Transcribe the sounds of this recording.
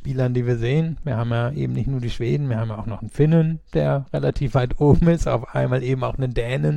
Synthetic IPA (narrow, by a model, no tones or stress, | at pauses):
piːlɐndiːviːɐzeːənviːɐhaːbm̩jaːʔḛːbm̩nɪçtnuːɐdiːʃv̥eːdn̩viːɐhaːm̩jaaʊxnɔχn̩fɪnənd̥eːɐʁelatʰiːfv̥aɪtʔoːbm̩ɪsta̰ʊfʔa̰ɪnmaːlʔeːbm̩aʊxnəndɛːnən